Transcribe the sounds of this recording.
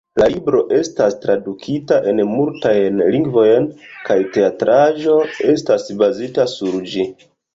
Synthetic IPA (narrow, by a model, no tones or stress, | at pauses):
lalibɾo̞ʔe̞stastɾadukʰitaʔe̞nmultajnliŋɡvo̞jnkajte̞atɾʔaʒo̞e̞stasbazitasuɾd͡ʒi